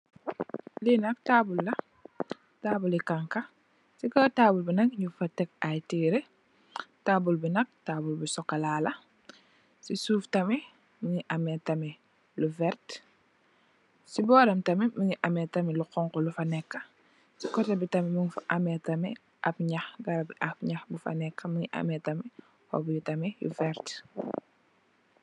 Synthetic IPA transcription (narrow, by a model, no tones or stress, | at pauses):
linɐk̚taːbulːɐ | taːbulikaŋkɐ | sikɔtaːbulbinɐk̚ɲufɐtɛk̚ajtiːɾe | tabulbinɐk̚taːbulbisɔkːɐlaːlɐ | sisuːftɐmi | miɲiʔɐmɛtɐmi | luvɛɾt | sibɔːɾɐmtɐmimuɲiʔɐmɛtɐmiluxɔŋkɔlufɐnɛkːɐ | sikɔtɐbitɐmimuŋfʔɐmɛtɐmɛ | ʔɐ̰pɲɐxɡɐɾɐbiʔɐpɲɐxbufɐ̰nɛkːɐmuɲiʔɐ̰mɛtɐmi | hɔ̰bujutɐmɛjṵvɛɾt